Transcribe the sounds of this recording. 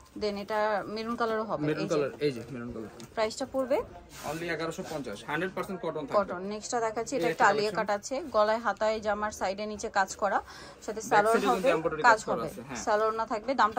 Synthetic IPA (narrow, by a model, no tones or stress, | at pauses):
d̪eneʈamiɾunkalaɾoɦɔbeiɾkalaɾed͡ʑemiɾunkalaɾpɾajsʈapuɾbe | o̰nliɛɡaɾoʃopɔ̃nt͡ɕaʃhaɳɖɾeɖ̚paɾseɳʈ̚kɔʈont̪ʰkɔʈonːeksʈad̪ɛkʰaːt͡ɕʰieʈaɛk̚ʈaaliekaʈaːt͡ɕʰeɡɔlaeɦat̪aed͡ʑamaɾsajɖenit͡ɕekad͡ʑkɔɾa | ʃat̪ʰesɛloɾɦɔbeampɔʈoɾikad͡ʑɦɔbeeɦɛ̃sɛloɾnat̪ʰak̚bed̪amʈa